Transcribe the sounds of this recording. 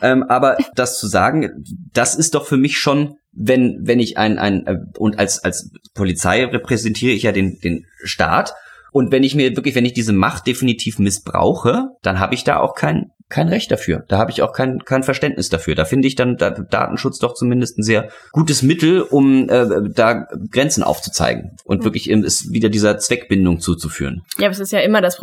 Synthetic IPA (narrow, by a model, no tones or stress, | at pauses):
ʔɛːmʔaːbɐd̥ast͡suza̰ːɡŋ̩d̥asɪst̚d̥ɔχfyːɐmɪçʃoːn | vɛnvɛnɪçʔa̰ɪnʔa̰ɪnʔɛːʔʊntʔa̰lsalspʰolit͡sa̰ɪʁepʁ̥ɛzɛntʰiːʁ̞əɪçjaːdeːnd̥eːnʃta̰ːtʔʊntvɛnɪçmiːɐvɪɐklɪçvɛnɪçd̥iːzəma̰χt̚d̥efinitʰiːfmɪsb̥ʁa̰ʊxəd̥anɦa̰ːbəɪçd̥a̰ːʔa̰ʊxkʰaɪn | kʰaɪnʁɛçt̚d̥afyːɐd̥aːhaːbəɪça̰ʊxkʰaɪnkʰaɪnfɛɐʃtɛntnɪsd̥afyːɐdaːfɪndəɪçd̥andaːd̥a̰ːtn̩ʃʊt͡sd̥ɔχt͡sumɪndəstn̩zeːɐɡ̥uːtəsmɪtl̩ʔʊmʔɛːdaːɡ̥ʁɛnt͡sn̩ʔa̰ʊft͡su̥t͡sa̰ɪɡŋ̩ʔʊ̰ntvvɪɐklɪçʔḛːm̩ɛsviːdɐdiːzɐt͡sv̥ɛkb̥ɪndʊŋt͡suːt͡sufy̰ːʁənjaːsɪstjaːʔɪmɐdas